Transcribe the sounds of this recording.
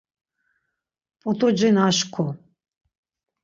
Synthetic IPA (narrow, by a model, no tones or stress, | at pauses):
pʼɔt̪ʰʼɔd͡ʒɛnaʃkʰɔ